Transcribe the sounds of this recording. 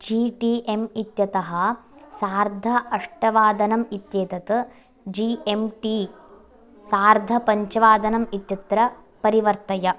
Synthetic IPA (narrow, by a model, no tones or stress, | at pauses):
d͡ʒiːʈiːʔemit̪jɐt̪ɐɦɐ̆saːɾd̪ʱɐɐʂʈɐʋaːd̪ɐnɐmit̪jeːt̪ɐt̪ɨ | d͡ʒiemʈi | saːɾd̪ʱɐpɐɲt͡ʃɐʋaːd̪ɐnɐmit̪jɐt̪ɾɐ | pɐɾiʋɐɾt̪ɐjɐ